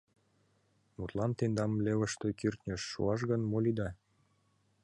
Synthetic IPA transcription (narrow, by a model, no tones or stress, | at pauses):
mut̪lɑnt̪end̪ɑmlʲevə̆ʃt̪økyrt̪nʲə̆ʃːṵɑʃ̬ɣə̆nmolʲid̪ɑ